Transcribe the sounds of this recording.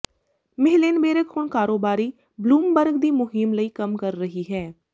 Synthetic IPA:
mɪɦleːnbeːɾəkhʊɳkaːɾoːbaːɾiː | bluːmbəɾɡd̪iːmʊɦɪmləiːkəmkəɾːəɦiːɦɛː

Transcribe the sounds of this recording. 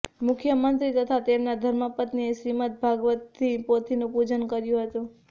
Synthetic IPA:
mʊkʰjəmənt̪ɾit̪ət̪ʰat̪emnad̪ʱəɾmapət̪nieʃɾimət̪̚bʱaɡʋət̪ʰːipot̪ʰinũpud͡ʒənkəɾjũɦət̪ũ

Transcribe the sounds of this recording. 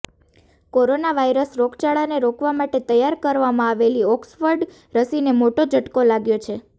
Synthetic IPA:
koɾonaʋaiɾəsɾokʰt͡ʃaɭaneɾokʰʋamaʈet̪əjːaɾkəɾʋamãaʋeliɔksfəɾɖ | ɾəsinemoʈod͡ʒʱəʈkolaɡjot͡ʃʰe

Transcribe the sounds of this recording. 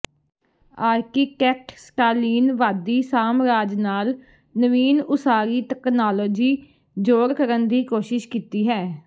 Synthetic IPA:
aːɾkiːkɛːk̚ʈsʈaːliːnʋaːd̪iːsaːmɾaːd͡ʒnaːl | nəʋiːnʊsaːɾiːt̪ɛknaːloːd͡ʒiː | d͡ʒoːɾkəɾənd̪iːkoːʃɪʃkiːt̪iːɦɛː

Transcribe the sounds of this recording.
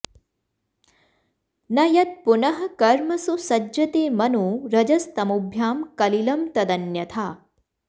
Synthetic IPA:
nɐjɐt̪̚punɐɦɐ̆kɐɾmɐsusɐd͡ʒɐt̪eːmɐnuːɾɐd͡ʒɐst̪ɐmubʱjaːmkɐlilɐmt̪ɐd̪ɐnjɐt̪ʰaː

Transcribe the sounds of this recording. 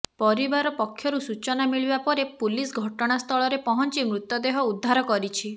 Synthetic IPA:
pɔɾibaɾɔpɔkʰːjɔɾusut͡ʃɔnamiɭibapɔɾepulisɡʱɔʈɔɽ̃ast̪ʰɔɭɔɾepɔɦɔnt͡ʃimɾut̪jɔd̪eɦɔud̪ʱːaɾɔkɔɾit͡ʃʰi

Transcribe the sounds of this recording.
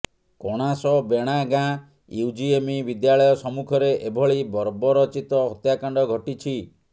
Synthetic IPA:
kɔɽ̃asɔbeɽ̃aɡã | jud͡ʒiemibid̪jaɭɔjɔsɔmukʰɔɾeʔebʱɔɭibɔɾbɔɾɔt͡ʃit̪ɔɦɔt̪jakaɳɖɔɡʱɔʈit͡ʃʰi

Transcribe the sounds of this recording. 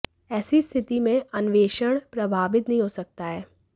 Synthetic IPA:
ɛːsist̪ʰɪt̪imẽʔɐnʋeːʃəɽ̃pɾɐbʱaːʋɪt̪nɐɦĩɦoːsɐk̚t̪aɦɛː

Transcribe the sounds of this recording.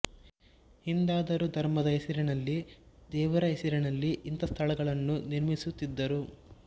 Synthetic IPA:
hind̪aːd̪ɐɾud̪ʱɐɾmɐd̪ɐɦesiɾɛnɐlːid̪ɛːʋɐɾɐɦesiɾɐnɐlːiʔint̪ɐst̪ʰɐɭɐɡɐɭɐnːuniɾmisut̪ːid̪ːɐɾu

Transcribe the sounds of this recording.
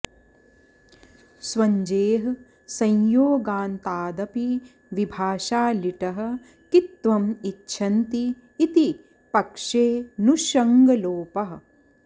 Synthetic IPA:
swɐɲd͡ʒeːɦɐ | sɐ̃jjoːɡaːnt̪aːd̪ɐpi | ʋibʱaːʃaːliʈɐɦɐ̆ | kit̪ʋɐmitːʃʰɐnt̪iː | t̪i | pɐkʂeːnuʃɐŋɡɐloːpɐɦɐ̆

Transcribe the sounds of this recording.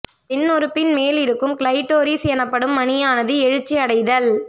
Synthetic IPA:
pɪnːʊɾɯpːɪnmeːlɪɾɯkːɯmklɐɪʈːoːɾisjɛnɐpːɐɽɯmːɐnɪjaːnɐðɯɛɻɯt͡ʃːiɐɽɐɪðɐl

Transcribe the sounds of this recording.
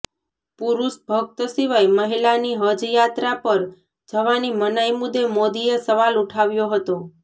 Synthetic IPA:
puɾuʃbʱəɡ̚t̪əsiʋajməɦilaniɦəd͡ʒjat̪ɾapəɾ | d͡ʒəʋanimənajmud̪ːemod̪iesəʋaluʈʰaʋjoɦət̪o

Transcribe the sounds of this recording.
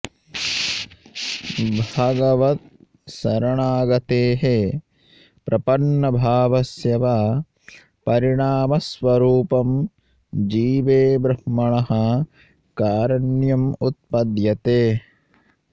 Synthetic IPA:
bʱaɡɐʋɐt̪̚ | sɐɾɐɳaːɡɐt̪eːɦe | pɾʔɐpɐɳːɐbʱaːʋɐsjɐʋa | pɐɾiɳaːmɐsʋɐɾuːpɐm | d͡ʒiːʋeːbɾɐhmːɐɳɐɦɐ | kaːɾɐɳjɐmut̪̚pɐd̪jɐt̪eː

